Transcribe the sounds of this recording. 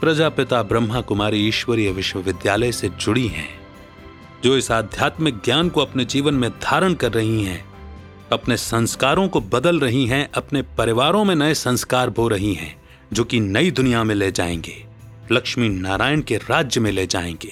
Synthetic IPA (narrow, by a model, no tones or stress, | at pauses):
pɾɐd͡ʒaːpɪt̪abɾə̃mːakʊmaːɾiiːʃwəɾijəʋɪʃwəʋɪd̪jaːləjsed͡ʒʊɽiɦɛ̰̃ | d͡ʒoːɪsaːd̪ʱjaːt̪mek̚ɡjaːnkoɐpned͡ʒiːʋənmẽd̪ʱaːɾəɽ̃kɐɾːɐɦiɦɛ̰̃ː | ɐpnesɐ̃nskaːɾõkobɐd̪əlɾɐɦiɦɛ̃ʔɐpnepɐɾɪʋaːɾõmẽnɐesɐ̃nskaːɾbʱoɾɐɦiɦɛ̰̃ː | d͡ʒoːkinɐid̪ʊnijamẽleːd͡ʒa̰ːḛ̃ːŋɡeː | lɐkʃminaːɾaːjənkeɾaːd͡ʒjəmẽleːd͡ʒa̰ːḛ̃ːŋɡeː